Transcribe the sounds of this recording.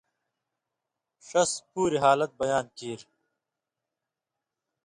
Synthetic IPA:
ʂɐspuːɾiɦaːlɐt̪̚bɐjaːnkiːɾ

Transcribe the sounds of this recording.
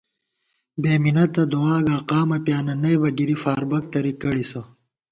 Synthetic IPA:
beːminɐt̪ɐd̪uaːɡaːqaːmɐpjaːnɐnɐjbɐɡiɾifaːɾbɐk̚t̪ɐɾikɐɽisɐ

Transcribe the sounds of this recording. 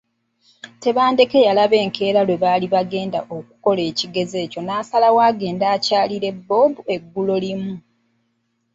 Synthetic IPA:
te̞βaːnde̞ke̞jalaβe̞ːŋkʰe̞ːɾalwe̞βaːliβaɡe̞ːnda̰ʔok̚u̥ko̞le̞ːciɡe̞ze̞ːco̞naːsalawaːɡe̞ːndaːcaːliɾe̞bːo̞ːbue̞ɡːulolimu

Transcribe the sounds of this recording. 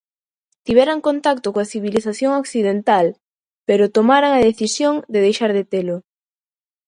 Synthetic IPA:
t̪iβɛɾaŋkont̪akt̪okoaθiβiliθaθjoŋokθiðent̪al | peɾʊt̪omaɾaŋɐðeθisjoŋd̪eðejʃaɾðet̪elʊ

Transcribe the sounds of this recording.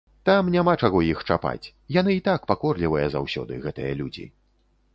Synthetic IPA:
t̪amnʲamat͡ʂaɣɔjixt͡ʂapa̰t͡sʲ | jan̪ɨit̪akpakɔrlʲivɐjɐzawsʲɔ̰d̪ɨɣɛt̪ɨjɐlʲud͡zʲḭ

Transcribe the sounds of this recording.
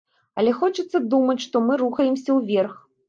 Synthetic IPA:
ɐlʲɛxɔt͡ʂɐt̪sːɐd̪umɐt͡sʲʂt̪ɔmɨɾuxɐjɛmsʲɐwvʲɛrx

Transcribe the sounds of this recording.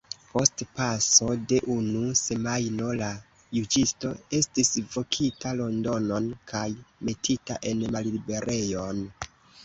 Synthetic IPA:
po̞stpaso̞de̞ʔunuse̞majno̞la | jud͡ʒisto̞e̞stisvo̞kʰitalo̞ndo̞no̞nkʰajme̞tʰita̰ʔe̞nmalibe̞ɾʔe̞jo̞n

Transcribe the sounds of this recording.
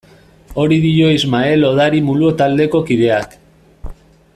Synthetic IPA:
o̞ɾiðijo̞izmae̞lo̞ð̞aɾimuluot̪ald̪e̞ko̞kiðe̞ak

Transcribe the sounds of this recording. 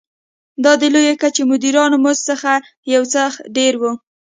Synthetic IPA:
d̪ɑd̪əlojekat͡ʃemʊd̪iɾɑnomost͡səxa | jawt͡səxɖeɾwu

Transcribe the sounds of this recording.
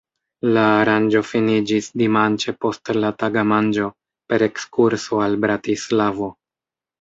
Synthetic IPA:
laːɾand͡ʒo̞finid͡ʒisdimant͡ʃe̞po̞stlataɡamand͡ʒo̞ | pe̞ɾe̞kskuɾso̞albɾatislavo̞

